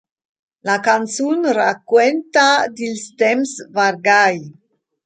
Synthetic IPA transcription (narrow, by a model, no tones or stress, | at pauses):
lakansunɾakːwent̪ad̪ilst̪emsvaɾɡaj